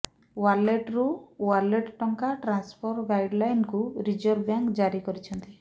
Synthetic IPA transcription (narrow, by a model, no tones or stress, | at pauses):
waleʈɾuwaɾleʈʈɔŋkaʈɾanspʰɔɾɡajɖlajnkuɾid͡ʒɔɾbjaŋkd͡ʒaɾikɔɾit͡ʃʰɔnt̪i